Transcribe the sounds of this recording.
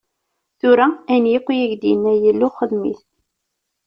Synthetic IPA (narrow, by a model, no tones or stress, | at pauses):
θuɾæænjiqʷːjæʝd̪inːæjəlːuχəðmḭθ